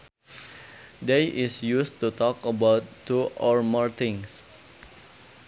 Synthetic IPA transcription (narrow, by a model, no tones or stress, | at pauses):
deʔɪsjust̪ut̪ɔkəbawtːuɔɹmɔɹt̪ɪ̃ŋs